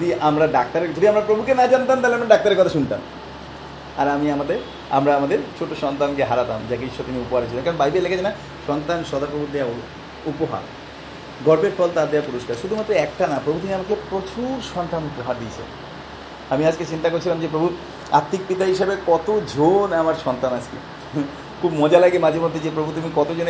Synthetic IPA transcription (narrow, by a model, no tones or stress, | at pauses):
d̪iʔamɾaɖak̚t̪aɾeɾd͡ʑodiamɾapɾobʱukenad͡ʑant̪amt̪aleamɾaɖak̚t̪aɾeɾkɔt̪ʰaʃunt̪a̰m | aɾamiamad̪eɾ | a̰mɾaamad̪eɾt͡ɕʰoʈoʃɔnt̪ankeɦaɾat̪a̰md͡ʑakiʃot̪iniupoɦaɾt͡ɕʰilenkaɾonbajbelekʰat͡ɕʰena | ʃɔnt̪anʃɔd̪ʱapɾobʱuɾd̪ea | upoɦa̰ɾ | ɡɔɾbeɾfʰɔlt̪ad̪eapuɾoʃkaɾʃud̪ʱumat̪ːɾoɛk̚ʈanapɾobut̪iniamakepɾot͡ɕuɾʃɔnt̪anupoɦaɾd̪iet͡ɕʰḛn | amiad͡ʑket͡ɕint̪akoɾt͡ɕʰilamd͡ʑepɾobʱu | at̪ːik̚pit̪aɦiʃebekɔt̪od͡ʑʱonamaɾʃɔnt̪anad͡ʑkḛ | kʰubmɔd͡ʑalaɡemad͡ʑʱeɾmod̪ʱːed͡ʑepɾobʱut̪̬umikɔt̪od͡ʑone